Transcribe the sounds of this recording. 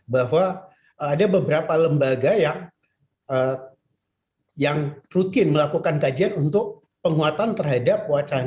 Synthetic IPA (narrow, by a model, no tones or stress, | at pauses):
baɦwaː | dabəbəɾapaləmbaɡajaŋ | ə | jaŋrut̪ɪnməlakukankad͡ʒianunt̪ʊk̚ | pəŋuat̪ant̪ərɦadap̚wat͡ʃa